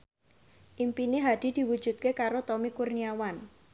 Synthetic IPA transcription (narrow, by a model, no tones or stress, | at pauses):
ʔimpineɦad̪̥i̤d̪̥i̤wud̥ʒ̥ṳt̪̚kekaɾot̪omikurniawan